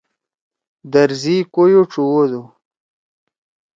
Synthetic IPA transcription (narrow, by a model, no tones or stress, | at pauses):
d̪əɾzikojoʈ͡ʂuwod̪u